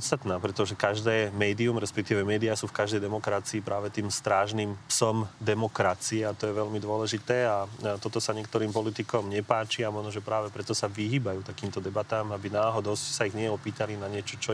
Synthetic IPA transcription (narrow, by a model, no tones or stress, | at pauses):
t̪st̪at̪naːpɾɛt̪ɔʒɛkaʒd̪ɛːmɛːd̪iumɾɛspɛk̚t̪iːʋɛmɛːd̪iasuːfkaʒd̪ɛjd̪ɛmɔkɾat͡siːpɾʔaːʋɛt̪iːmst̪ɾaːʒnimpsɔmd̪ɛmɔkɾat͡siɛat̪ɔjɛʋɛʎmid̪ʊɔlɛʒit̪ɛːat̪ɔt̪ɔsaɲɪɛkt̪ɔɾiːmpɔlit̪ikɔmɲɛpaːt͡ʃiamɔʒnɔʒɛpɾaːʋɛpɾɛt̪ɔsaʋiɦiːbajuːt̪akiːmt̪ɔd̪ɛbat̪aːmabinaːɦɔd̪ɔscsaiɣɲɪɛɔpiːt̪alinaɲɪɛt͡ʃɔt͡ʃɔ